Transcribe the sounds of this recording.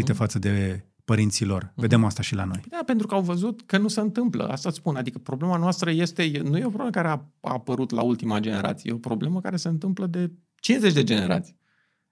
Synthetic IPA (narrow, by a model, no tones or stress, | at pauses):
it̪efat̪səd̪e̞ | pəɾint̪silo̞rve̞d̪e̞mast̪aʃilano̞jd̪ape̞nt̪ɾukəawvəzut̪kənuseɨnt̪ɨmplə̰ʔa̰st̪at̪spunad̪ikəpɾo̞ble̞manoast̪ɾəje̞st̪e̞jenuje̞o̞pɾobleməkaɾeaa̰pəɾut̪la̰ult̪imad͡ʒe̞ne̞̰ɾa̰t̪sijeo̞pɾo̞ble̞məkaɾe̞se̞ɨnt̪ɨmpləd̪e̞ | t͡ʃinze̞t͡ʃʲd̪e̞d͡ʒe̞ne̞ɾa̰t̪sʲi̥